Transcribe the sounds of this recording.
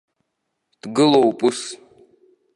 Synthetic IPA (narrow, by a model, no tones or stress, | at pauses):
d̥ɡɨlowpʼɨs